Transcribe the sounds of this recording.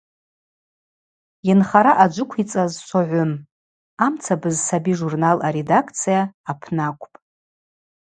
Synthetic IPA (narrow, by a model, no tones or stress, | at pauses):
janχaɾaʔad͡ʒʷʊkʷʰit͡sʼazʃʷoʕʷʊm | amt͡sʰabɨzsabiʐurnalaɾe̞dakʰt͡sʰijaːpʰnakʷʰʼpʼ